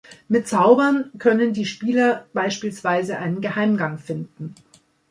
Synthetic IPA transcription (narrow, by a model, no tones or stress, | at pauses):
mɪt̚t͡saʊbɐnkʰœnəndiːʃpiːlɐb̥aɪʃpiːlsv̥aɪzəʔa̰ɪnənɡəhaɪmɡaŋfɪndn̩